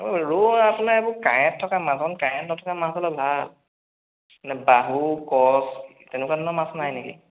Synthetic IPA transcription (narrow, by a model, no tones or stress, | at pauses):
oɹoapunaɹebʊkajɛtʰːɔkamasɔnkajɛtnɔtʰɔkamaszɔlɔbʱal | nɛbaɦukɔs | tɛnʊkadɔnɔmasnajnekḭ